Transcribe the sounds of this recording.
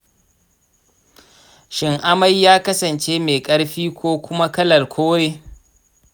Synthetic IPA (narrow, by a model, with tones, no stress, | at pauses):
ʃɪ˨ŋʔa˦mɐ˦jːaː˦kɐ˦sɐ˨nt͡ʃe˦meː˨kʼɐ˦ɽɸiː˦kʷoː˦kʷʊ˦ma˦kɐ˦lɐ˨lkʷʰoː˦ɽeː˦